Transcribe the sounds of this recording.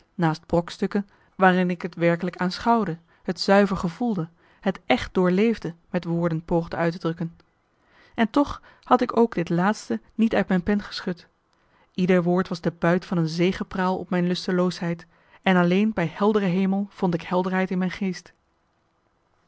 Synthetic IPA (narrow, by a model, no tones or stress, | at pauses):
naːsd̚b̥rɔkstɵkən | ʋaːrɪnɪkətʋɛɹkələkaːnsχɑwdə | hətzœɥvəɹχəvulˠdə | ɦətʔɛχt̚dʊːɹlejvdəmɛtʋʊːɹdənpowχdəœɥtədrɵkən | ɛntɔχ | hɑtɪkowɡdɪtlaːtstənitœɥtmɛjnpɛnχə̥sχɵt | idəɹʋʊːɹtʋɑzdəbœɥtfɑnənzejχəpraːlˠɔ̰pmɛjnlɵstəlowsɦɛjt | ɛnɑlejnbɛjhɛlˠdərəɦejməlˠv̥ɔntɪkhɛlˠdəɹɦɛjtɪnmɛjnχejst